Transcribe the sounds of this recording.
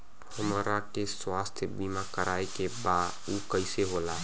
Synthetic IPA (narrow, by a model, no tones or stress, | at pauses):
həməɾakeswast̪ʰjbimakəɾʔaekebad̪ | ukəɪseɦola